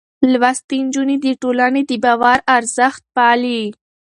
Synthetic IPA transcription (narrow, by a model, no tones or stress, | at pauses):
lwast̪ind͡ʒunid̪əʈolaned̪əbɑwaɾaɾzəxt̪̚pɑli